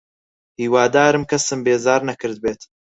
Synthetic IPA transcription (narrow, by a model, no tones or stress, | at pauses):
hiːwaːd̪aːɾɨmkʰɐsɨmbeːzaːɾnɐkɨɾd̪̚beːt̪